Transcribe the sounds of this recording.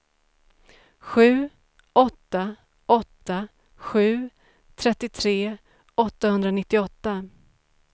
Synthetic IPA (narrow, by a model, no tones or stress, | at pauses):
ɧʉ̟ː | ɔt̪ːa | ɔt̪ːa | ɧʉ̟ː | t̪ʰɾɛt̪ːɪt̪ʰɾeː | ɔt̪ːahɵnd̪ɾanɪt̪ːɪɔt̪ːa